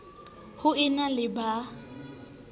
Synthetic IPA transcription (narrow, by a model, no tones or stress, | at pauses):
hʊɪnalɪba